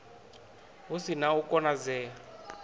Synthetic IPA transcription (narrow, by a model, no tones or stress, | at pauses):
ɦusinaukʼɔnad͡zɛːa